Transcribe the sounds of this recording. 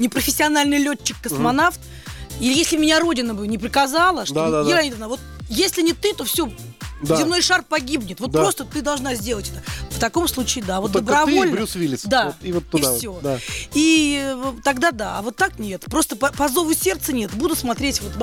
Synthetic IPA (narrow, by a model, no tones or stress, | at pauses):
nʲɪpɾəfʲɪsʲːɪɐnalʲnɨjlʲot͡ɕːɪkːəsmɐnaft̪ | ilɪjesʲlʲɪbmʲɪnʲaɾo̞dʲɪnəbɨnʲɪpɾʲɪkɐzalˠəʂtd̪od̪ɪlʲˠanʲɪd̪ɐvnavo̞t̪̚jesʲlʲɪnʲɪt̪ɨt̪o̞fsʲo̞ | d̪azʲɪmno̞jʂarpɐɡʲibnʲɪt̪vot̪pɾost̪ət̪ɨd̪ɐlˠʐnazʲdʲe̞lˠətʲɛ̥t̪əft̪ɐko̞mslˠut͡ɕɪɪd̪avo̞t̪̚d̪əbɾɐvolnɾʲusvʲilʲɪsd̪at̪ivot̪ːifsʲod̪ai | t̪ɐɡd̪ad̪aːvo̞t̪ːaknʲe̞t̪pɾo̞st̪əpɐpɐzo̞vʊsʲe̞rt̪sɨnʲe̞t̪bud̪ʊtsmɐt̪ɾʲetʲvo̞t̪